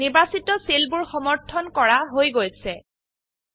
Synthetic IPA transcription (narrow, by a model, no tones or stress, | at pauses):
nibasitɔselbuɹxɔmɔɹtʰɔnkɔɹaɦojɡojsɛ